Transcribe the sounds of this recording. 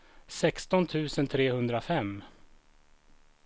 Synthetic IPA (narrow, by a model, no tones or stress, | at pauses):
sɛkst̪ɔnt̪ʰʉ̟ːsənt̪ʰɾeːhɵnd̪ɾafɛmː